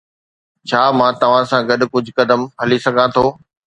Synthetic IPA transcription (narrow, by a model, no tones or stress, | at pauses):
t͡ɕʰaːmãːt̪ɐʋ̤ãsãɡɐɗkʊd͡ʑʱʊkɐd̪əmɦɐlisɐɡʱãt̪ʰoː